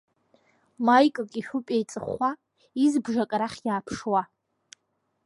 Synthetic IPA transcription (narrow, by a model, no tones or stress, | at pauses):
majkʼakʲʼiʃʷᶣʊpʼejt͡sʼɨχa | izbʐakʼɾaχʲjaːpʰʂwa